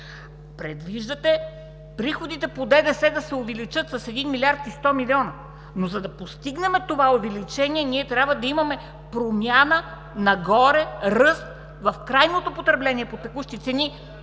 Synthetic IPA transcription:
pɾɛd̪viʒd̪ɐt̪ɛ | pɾixod̪it̪ɛpod̪ɛd̪ɛsɛd̪ɐsɛovɛlit͡ʃɤt̪sɐsɛd̪inmilʲiaɾt̪ist̪ɔmilʲiɔnɐ | nozɐd̪ɐpost̪iɡnɛmɛt̪ovaovɛlit͡ʃɛnʲiɛniɛt̪ɾʲjabvɐd̪ɐimɐmɛ | pɾomʲjanə | nɐɡɔɾɛɾɤst̪ | vɐfkɾajnot̪opot̪ɾɛblɛnʲiɛpot̪ɛkuʃt̪it̪sɛni

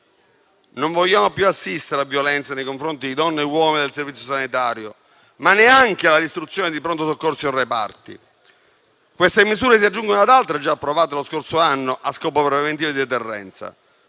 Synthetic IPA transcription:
noɱvoʎːaːmopjuasːist̪eɾeavːjolɛnt̪sanejkoɱfɾont̪id̪id̪ɔnːewɔːmined̪elservit̪sjosanit̪aːɾjo | manːeaŋk̟ealad̪ist̪ɾut̪sːjoːned̪ipɾont̪osokːorsoorːepa̰rt̪ḭ | kwest̪emizuːɾes̬iad͡ʒːuŋɡonoad̪alt̪ɾed͡ʒːaːpːɾovaːt̪eloskorsoanːoʔaskɔːpopɾɾevent̪̬iɾed̪id̪et̪erːɛ̰nt̪sa̰

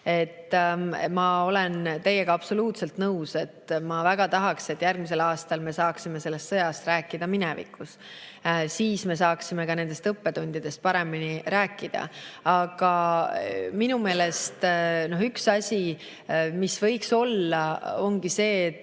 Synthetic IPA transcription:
e̞t̪ːmɑo̞le̞nt̪e̞jːeɡ̥ɑɑb̥so̞luːt̪se̞lt̪nɤwse̞t̪ːmɑvæɡ̥ɑt̪ɑɦɑkse̞t̪ːjærɡ̥̚mis̬e̞lɑːst̪ɑlme̞sɑːksime̞se̞lːe̞st̪sɤjɑst̪ɾæːkːˑid̪̥ɑminɛvḭkːˑus | siːsme̞sɑːksime̞kɑne̞nd̪̥est̪ɤpːe̞t̪unʲd̪̥id̪̥e̞st̪̚pɑɾe̞miniɾæːkːˑid̪̥ɑ̰ɑɡ̥ɑ | minume̞ːle̞st̪no̞ɦyksɑsʲi | misvɤ̞jkso̞lːɑo̞ŋɡ̥ise̞ːt̪ː

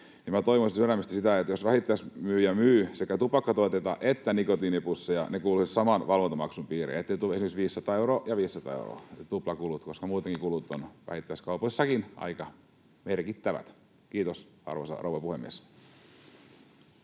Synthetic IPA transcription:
nimæt̪oiʋosisyræmːæst̪i̥sit̪æet̪josʋæhit̪ːæismyːjɑmyːsekæt̪upɑkːɑt̪oet̪et̪ɑ̰ʔet̪ːænikot̪inipusːɑjɑ̰nekuːlusitsɑmɑnʋɑlʋont̪ɑmɑksumpiːrḛet̪ːeit̪uesimeksʋiːsːɑt̪ɑeuɾoːjɑʋiːsːɑt̪ɑ̰ːḛṵro̰ːˑt̪uplɑkulut̪koskɑmuːt̪eŋkikulut̪ːonʋæ̰hit̪ːæiskɑupoisːɑkinɑ̰ikɑ | merkit̪ːæʋæ̰t̪ | kiːt̪osɑ̰rʋo̰sɑ̰rouʋɑpuhemːiḛs

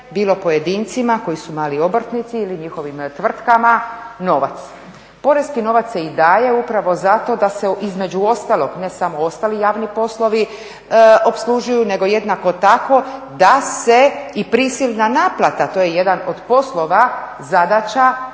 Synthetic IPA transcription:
biːlˠo̞po̞jed̪iːnt̪simako̞jisumaːlio̞br̩t̪nit̪siiliɲixo̞ʋimt̪ʋr̩t̪kamano̞ʋa̰t̪s | po̞ɾe̞zkino̞ʋat̪se̞id̪aːje̞upɾaʋo̞zat̪o̞d̪ase̞izme̞d͡ʒuo̞st̪alˠo̞ɡne̞samo̞o̞st̪alijaːʋnipo̞slˠo̞ʋi | o̞pslˠuʒujune̞ɡo̞je̞d̪nako̞t̪ako̞d̪ase̞ipɾisilˠnanaːplˠat̪at̪o̞ːje̞je̞d̪ano̞d̪po̞slo̞ʋa | zad̪at͡ɕa

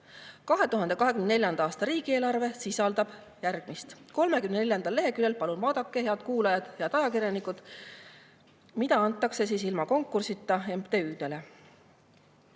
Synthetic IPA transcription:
kɑɦe̞t̪uɦɑnd̪e̞kɑɦekymnne̞lʲjɑnd̪ɑɑːst̪ɑɾiːɡ̥ieːlɑrve̞sisɑld̪ɑb̥ | jærɡ̥mist̪ko̞lme̞kymnene̞ljɑnd̪ɑlːe̞ɦe̞kyle̞lpɑlunvɑːd̪̥ɑkːˑe̞he̞ɑd̪̥kuːlɑjɑd̪̥jɑt̪ɑjɑkiɾjɑnikːˑud̪̥ | mid̪ɑɑnt̪ːˑɑkse̞siːsilmɑko̞ŋkːˑursit̪ːˑɑempt̪eyːd̪e̞le̞

